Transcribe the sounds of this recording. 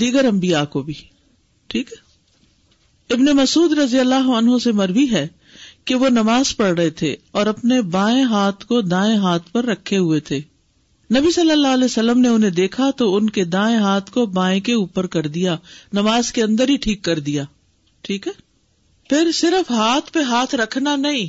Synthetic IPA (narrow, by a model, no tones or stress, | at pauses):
d̪iːɡəɾɐ̃mbijaːkobʱiː | ʈʰiːkɦɛ | ɪbnemɐsuːd̪ɾɐzijəlːaːɦoɐnɦõsemɐɾʋiɦɛ | keʋonɐmaːzpɐɽɾɐɦet̪ʰḛɔːɾɐpnebãːẽɦaːt̪ʰkod̪aːẽɦaːt̪ʰpɐɾːɐkʰːeɦʊet̪ʰeː | nɐbisɐlːəlːaːlɛːsɐlːəmneʊn̤ɦẽd̪eːkʰat̪oʊnked̪ãːẽɦaːt̪ʰkobãːẽkeuːpəɾkɐɾd̪ijanɐmaːzkeɐ̃nd̪əɾɦiʈʰiːkːɐɾd̪ijaː | ʈʰiːkɦɛː | pʰɪɾsɪɾəfɦaːt̪ʰpeɦaːt̪ʰɾɐkʰnanɐɦĩ